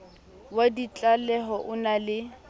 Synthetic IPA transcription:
wadit͡ɬʼalɛɦɔʔʊnalɪ

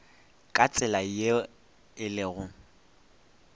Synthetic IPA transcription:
kʼat͡sʼɪlaje | ɪlɪɣʊ

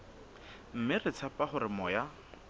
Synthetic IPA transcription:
m̩mɪrɪt͡sʰapaχʊɾɪmɔja

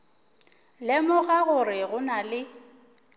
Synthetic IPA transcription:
lɪmɔɣaɣʊrɪɣʊnalɪ

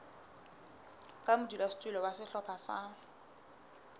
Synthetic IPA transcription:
kʼamʊdulastʼulɔwasɪɬɔpʰasa

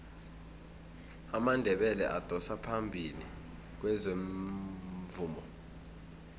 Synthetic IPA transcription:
amandʱɛɓɛlɛ̰ʔad̥ʱɔsapʰambʱili | k̬wɛzeɱ | vuːmɔ

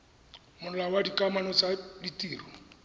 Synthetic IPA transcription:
mʊnɔlawadikʼamanɔt͡saditʼiːrɔ

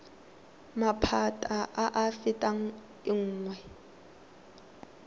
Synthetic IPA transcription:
mapʰatʼaʔaʔafɪtʼa | ɪŋ̩ːŋwɛ

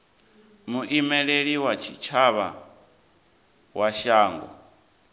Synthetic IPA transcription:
muʔimɛɺeɺiwat͡ʃʰit͡ʃʰaβa̰ | wʔaʃaːŋɡɔ̰

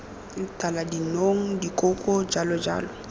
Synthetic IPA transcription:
tʼaladinoŋ̩dikʼokʼɔd͡ʒalɔd͡ʒa̰ːlɔ

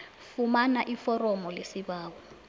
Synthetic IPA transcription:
fumanaʔifɔrɔmɔlesiɓaːɓɔ

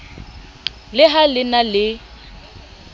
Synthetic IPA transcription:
lɪɦalɪnalɪ

